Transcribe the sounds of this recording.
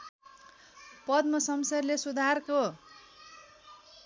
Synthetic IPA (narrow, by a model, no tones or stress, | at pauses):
pʌd̪mʌsʌmsʌrlesud̪ʱarko